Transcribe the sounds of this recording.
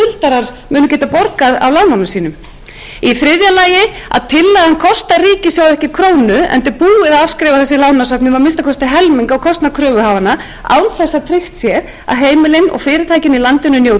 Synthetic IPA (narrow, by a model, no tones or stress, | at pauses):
ʏlt̪aɾaɾmʏːnʏcɛːt̪apɔɾkaɾa̰wlaːwnawnʏsiːnʏm | ifɾɪðjalaːjɪa̰ðt̪ʰɪlːaɣankʰɔst̪ariːcɪsjaːwɛhcɪkʰɾoːwnʏɛ̰nt̪ɪɾpuːɪðaðavskɾɛːvaθɛsɪlawnasœpnɪvaɾmɪnst̪akʰɔst̪ɪɦɛlmiŋkaɔɣkʰɔst̪nakʰɾœːvʏhaːvana | a̰wnθɛsːat̪ʰɾɪxt̪sjɛɾ | a̰ðɦeːjmɪlɪnɔ̰ɣfɪːɾɪt̪ʰajcɪnilant̪ɪnʏnjoːw